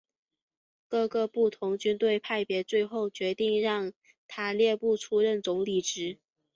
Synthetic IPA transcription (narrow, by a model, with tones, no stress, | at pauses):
kɤ˥˧ɡɤ˧pu˥˩t̪ʰʊ˧˥ŋt͡ɕy˥nt̪we˥˧ɪpʰa˥˩ɪpjɛ˧˥t͡swe˥˧ɪxo˥˩ʊt͡ɕɥɛ˧˥t̪i˥˧ŋɻɑ˥˩ŋ | t̪ʰa˥ljɛ˥˧pu˥˩ʈ͡ʂʰu˥ɻə˥˩nt͡sʊ˧˥ŋli˨˩ʈ͡ʂɻ̩˧˥